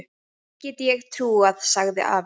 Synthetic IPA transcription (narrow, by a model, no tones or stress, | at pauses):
cɛːt̪ɪjɛɣt̪ʰɾuːað̥saɣðɪ̰ʔa̰ːv